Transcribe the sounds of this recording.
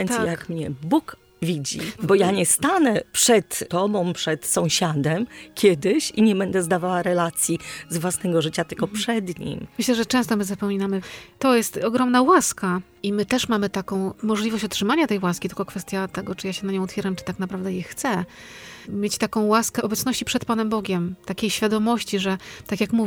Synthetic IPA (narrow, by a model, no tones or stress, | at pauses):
ɛnt̪jakmɲɛbuk | vʲid͡ʑḭbɔjaɲɛst̪anɛpʂɛt̪t̪ɔbɔ̃m̃pʂɛt̪sɔ̃w̃ɕad̪ɛmkʲjɛd̪ɘɕiɲɛbɛnd̪ɛzd̪avawaɾɛlat̪sʲjizvwasnɛɡɔʐɘt͡ɕat̪ɘlkɔpʂɛd̪ɲḭmmɘɕlɛʐɛt͡ʂɛ̃w̃st̪ɔmɘzapɔmʲinamɘt̪ɔjɛst̪ɔɡɾɔmnawaska | imɘt̪ɛʂmamɘt̪akɔ̃w̃mɔʐlʲivɔɕt͡ɕɔtʂɘmaɲat̪ɛjwaskʲit̪ɘlkɔkfɛst̪ʲjat̪ɛɡɔt͡ʂɨjaɕɛnaɲɔ̃w̃ɔt̪fʲaɾamt͡ʂɨ̥t̪aknapɾavd̪ɛjɛxt̪sɛ | mʲjet͡ɕt̪akɔ̃w̃waskɛʔɔbɛt̪snɔɕt͡ɕipʂɛt̪̚panɛmbɔɡʲɛmt̪akʲejɕfʲjad̪ɔmɔɕt͡ɕiʐɛt̪akʲjakmuv